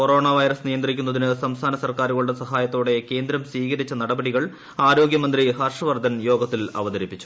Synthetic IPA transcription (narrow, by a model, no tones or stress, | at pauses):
ko̞ɾo̞ːɳaːʋɐjɾɐsnijɐnd̪rikʲːunːɐðinɨsɐmst̪ʰaːnɐsɐrkaːɾuɣɐɭuɽesɐɦaːjɐt̪ːoːɽe̞ke̞ːnd̪ɾɐmsʋiːɣɐɾit͡ɕːɐnɐɽɐbɐɽiɣɐɭ | aːɾo̞ːɡjɐmɐnd̪rihɐrʂrɐʋɐrd̪ʱɐnjo̞ːɡɐt̪ːilɐ̰ʋɐd̪ɐɾipːit͡ɕːu̥